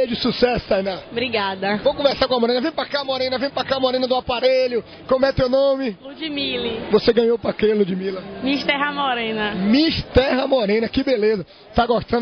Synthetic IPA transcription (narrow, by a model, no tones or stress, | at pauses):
eɐd͡ʒɪsusɛsʊ̥sajnɐbɾiɡad̪ɐvowkõvɛɾsaɾkõɐmɔɾẽnɐvẽj̃pɾakaɐmɔɾẽnɐvẽj̃pɾakaɐmɔɾẽnɐd̪ʊapaɾeʎʊ | kõmʊɛt̪ewnõmɪlud͡ʒimilivoseɡɐ̃ɲ̃owpɾɐkɾelud͡ʒimilɐmiʃt̪ɛɦɐmɔɾẽnɐmiʃt̪ɛɦɐmɔɾẽnɐkɪbelezɐ | t̪aɡoʃt̪ɐ̃